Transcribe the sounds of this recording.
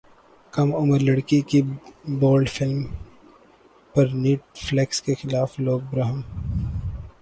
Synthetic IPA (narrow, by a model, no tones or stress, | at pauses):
kɐmʊməɾlɐɽkikiboːlɖfɪlm | pɐɾniːʈ̚flekskexɪlaːfloːɡ̚bɾaːɦɪm